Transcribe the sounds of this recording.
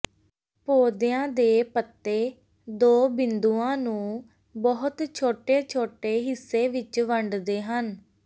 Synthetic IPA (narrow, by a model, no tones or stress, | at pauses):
poːd̪jãːd̪eːpət̪ːeː | d̪oːbɪnd̪uːãːnũː | bɔɦʊt̪t͡ʃʰoːʈeːt͡ʃʰoːʈeːɦɪsːeːʋɪt͡ʃʋəɳɖd̪eːɦən